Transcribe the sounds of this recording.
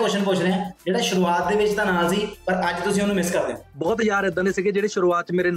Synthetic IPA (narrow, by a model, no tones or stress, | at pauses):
koːʃənpʊt͡ʃʰɾẽːɛ̃ːd͡ʒeːɽaːʃʊɾuːaːt̪̚d̪eːʋɪt͡ʃt̪ãːnaːziːpəɾəd͡ʒt̪ʊsĩːʊnũːmɪskəɾd̪eːõbɔːt̪jaːɾɛd̪aːneːsɪɡeːd͡ʒeːɽeːʃʊɾuːaːt̪̚t͡ʃmeːɾeːn